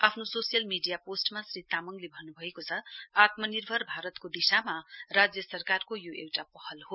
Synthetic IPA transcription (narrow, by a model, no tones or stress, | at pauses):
apʰnososijʌlmiɖijaposʈmasrit̪amʌŋɡlebʱʌnːubʱʌekot͡sʰʌat̪mʌnirbʱʌrbʱaɾʌt̪kod̪isamarad͡zjʌsʌrkarkojoewʈapʌhʌlɦo